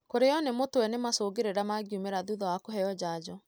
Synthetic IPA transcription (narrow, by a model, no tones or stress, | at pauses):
koɾeɔnemotwɛnemasoːɡeɾeɾamaɡiumeɾaðuðɔwakoɦɛjɔd͡ʑaːd͡ʑɔ